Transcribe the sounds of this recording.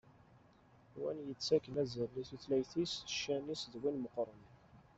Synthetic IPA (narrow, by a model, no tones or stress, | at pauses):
wænjət͡sːækənæzəɾliθuθlæjθisʃːænisðwinməqɾˤən